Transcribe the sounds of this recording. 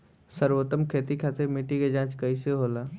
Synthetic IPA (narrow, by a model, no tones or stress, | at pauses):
səɾʋot̪ːəmkʰet̪ikʰat̪iɾmiʈiked͡ʒãt͡ʃkəjseɦola